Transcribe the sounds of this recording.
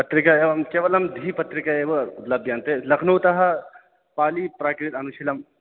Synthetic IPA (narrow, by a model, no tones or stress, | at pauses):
pɐt̪ɾikaeʋɐmkeːʋɐlɐmd̪ʱiːpɐt̪ɾikaeːʋəut̪lɐbʱjaːnt̪elɐkʰnuːt̪ɐɦɐ | paːlipɾaːkɾit̪ɐnuʃilɐm